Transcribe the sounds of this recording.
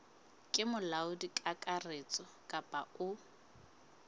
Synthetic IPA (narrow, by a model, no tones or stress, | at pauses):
kʼɪmʊlaʊdikʼakʼaret͡sʼɔ | kʼapʼaʊ